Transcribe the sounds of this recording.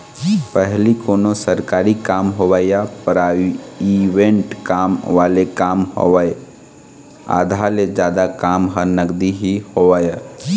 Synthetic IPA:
pəɦlikonosəɾkaːɾikamɦowəjapɾaiʋẽɳʈkamʋalekamho̰wəj | a̰d̪ʱaled͡ʒjaːd̪akamɦənəɡd̪iɦihoʋəja

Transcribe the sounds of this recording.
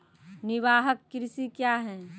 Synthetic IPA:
nɪʋaːɦəkːɪɾɪsikjaːɦɛː

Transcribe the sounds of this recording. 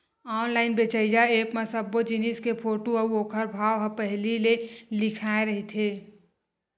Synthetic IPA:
ɔːnlaːɪnbet͡ʃəɪd͡ʒaeːpmesəbːod͡ʒiniskepʰoːʈoəuoːkʰəɾbʱaːʋɦə̃pəɦlilelɪkʰaːeɾəɦit̪ʰeː

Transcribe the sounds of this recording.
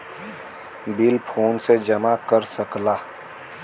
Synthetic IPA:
bɪlpʰoːnsed͡ʒɐmakəɾsəklaː

